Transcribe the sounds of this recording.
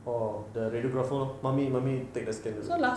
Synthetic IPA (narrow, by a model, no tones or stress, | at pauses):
ɔdəɾedioɡɾɔfɔɔmãmimãmit̪ek̚dəskɛ̃ndusola